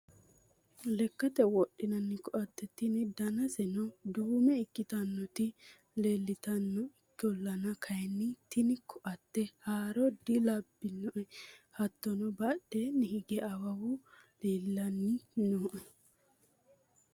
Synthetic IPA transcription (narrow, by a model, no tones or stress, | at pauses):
lɛkːɐt̪ɛwɔɗːɪnɐnːɪkɔʔɐt̪ːɛt̪ːɪnɪd̪ɐnɐsɛnɔd̪uːmɛɪkːɪt̪ɐnːɔt̪ɪ | le̞ːlːɪt̪ɐnːɔɪkːɪɔlːɐnɐkʰɐjnːɪt̪ɪnɪkʰɔʔɐt̪ːɛhaːɾɔd̪ɪlɐbːɪnːɔʔɛhɐt̪ːɔnɔbɐɗɛnɪhɪɡɛʔɐwɐwʊleːlːɐnːɪnoːʔɛ